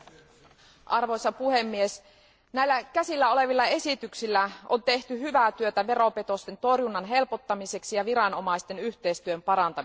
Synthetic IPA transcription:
ʔɑrʋo̞jsɑpuhe̞mːies | næjlːækæsilːæo̞le̞ʋilːɑe̞sit̪yksilːæo̞nt̪e̞ht̪yɦyʋæt̪yøt̪æʋe̞ɾo̞pe̞t̪o̞st̪e̞nt̪o̞rjunːɑnɦe̞lpot̪ːɑmise̞ksijɑʋiɾɑno̞mɑijst̪e̞nyht̪e̞jst̪yømpɑɾɑnt̪ɑ

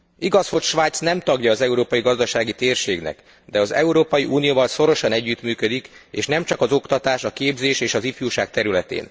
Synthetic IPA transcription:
iɡɒsho̞cʃʋaːjt̪snɛmt̪ɒɡjɒːzɛuɾoːpɒjiɡɒzd̪ɒʃaːɡit̪eːrʃeːɡnɛ̰k | d̪ɛɒzɛ̰uɾoːpɒjiʔuːnijoːvɒlso̞ɾo̞ʃɒnɛɟːyt̪myːkød̪ikḛːʃnɛmt͡ʃɒkɒzo̞kt̪ɒt̪aːʃɒkeːbzeːʃeːʃɒzifjuːʃaːk̚t̪ɛɾylɛt̪ḛːn

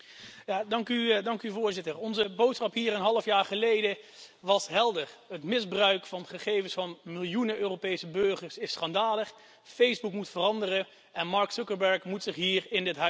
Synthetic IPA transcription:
jaːdɑŋkydɑŋkyvʊːɹzɪtəɹɔnzəbowtsχɑpɦiːɾənɦɑləfjaːɹχəlejdəʋɑsɦɛlˠdərɦətmɪzbrœɥkfɑnχəχejvəsfɑnmɪlˠjunəøːropejsəbɵøɹχəɹsɪsχɑndaːləχ | fejzbukmutfərɑndərə | ɛnmɑɹksʊkəɹbɛɹkmutsɪχɦiːɹɪndɪtɦœ

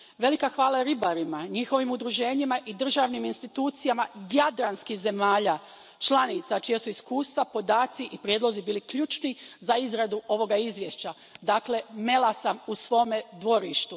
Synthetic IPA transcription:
ʋe̞likaxʋaːlˠaeɾibaɾimaɲixo̞ʋimud̪ɾuʒe̞ːɲimaʔid̪r̩ʒaʋniminst̪it̪uːt̪sijamajad̪ɾanskixze̞maːʎaː | t͡ʃlˠanit̪sat͡ʃijesuiskuːst̪ʋapo̞d̪aːt̪siʔipɾjed̪lo̞zibiːlikʎuːt͡ʃnizaizɾad̪uo̞ʋo̞ɡaizʋjeʃt͡ɕa | d̪aːkle̞me̞lˠasamusʋo̞ːmed̪ʋo̞ɾiʃt̪u

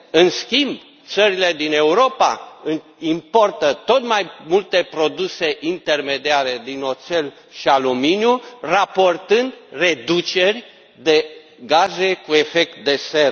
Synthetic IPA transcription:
ɨnskʲimb | t̪səɾile̞d̪ine̞uɾo̞pa̰ɨ | impo̞rt̪ət̪o̞t̪majmult̪e̞pɾo̞d̪use̞ʔint̪e̞rme̞d̪iaɾe̞d̪ino̞t̪se̞l | ʃialominjurapo̞rt̪ɨnd̪re̞d̪ut͡ʃe̞rʲ | d̪e̞ | ɡaze̞kue̞fe̞k̚t̪̚d̪e̞se̞ɾ

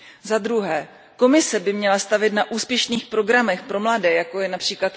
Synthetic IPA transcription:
zad̪ɾuɦɛː | ko̞mɪsɛbɪmɲɛlast̪avɪt̪naʔuːspjɛʃniːxpɾo̞ɡɾamɛxpɾo̞mladɛːjako̞jɛnapr̝̥iːklat̪

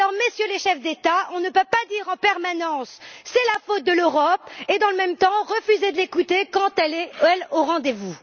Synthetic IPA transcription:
lɔʁməsjøleʃɛfd̪et̪aɔ̃nəpøpad̪iʁɑ̃pɛʁmanɑ̃sːɛlafot̪̚d̪əløʁɔped̪ɑ̃ləmɛmt̪ɑ̃ʁəfyzed̪əlekut̪ekɑ̃t̪ɛlɛɛloʁɑ̃d̪evu

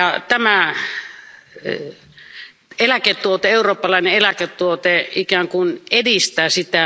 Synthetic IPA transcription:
jɑt̪æmæ | elæket̪ːˑuot̪eeˑuroːpːɑlɑˑineelæket̪ːuot̪eikæːŋkunedist̪æːsit̪æ

